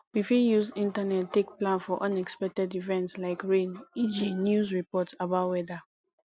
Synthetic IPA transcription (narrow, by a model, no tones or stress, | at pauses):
wifijuzĩntanɛtːekplãnfɔʔɔ̃nɛkspɛk̚tɛdivɛ̃ntslaɪkɹẽnid͡ʒinjuzɹipɔtabaʊtwɛda